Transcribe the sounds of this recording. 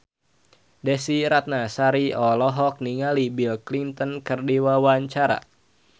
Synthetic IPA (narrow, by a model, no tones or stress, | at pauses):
dɛsiɾat̪̚nasaɾiɔlɔɦɔk̚niŋalibilklint̪ɔnkərdiwawaɲt͡ʃaɾa̰